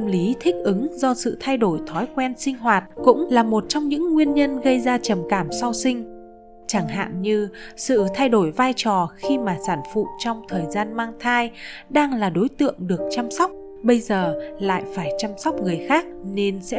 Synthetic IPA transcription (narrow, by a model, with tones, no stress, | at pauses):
ə˧mli˨˦t̪ʰï˦˥k̟̚ʔɨ˨˦ŋzɔ˧sɨ̰˧˨t̪ʰa˧jɗo˧˩jt̪ʰɔ˨˦jkwɛ˧nsï˧ŋ̟ɦwaː˨˩t̚kʊ̰˧˥ŋ͡mlaː˨˩mo˨˩t̚t͡ɕɔ˧wŋ͡mɲɨ̰˧˥ŋːwi˧ənɲə˧nɣə˧jzaː˧t͡ɕə˨˩mkaː˧˩msɔ˧wsï˧ŋ̟ | t͡ɕaː˧˩ŋɦa̰ː˧˨mɲɨ˧sɨ̰˧˨t̪ʰa˧jɗo˧˩jvaː˧jt͡ɕɔ˨˩xi˧maː˨˩saː˧˩nfṵ˧˨t͡ɕɔ˧wŋ͡mt̪ʰəː˨˩jzaː˧nmaː˧ŋt̪ʰaː˧jɗaː˧ŋlaː˨˩ɗo˨˦jt̪ɨ̰˧˨əŋɗɨ˨˩ək̚t͡ɕa˧msɔ˦˥k͡p̚ | ɓə˧jzəː˨˩la̰ː˧˨jfaː˧˩jt͡ɕa˧msɔ˦˥k͡p̚ŋɨ˨˩əjxaː˦˥k̚ne˧nsɛ̰˧˥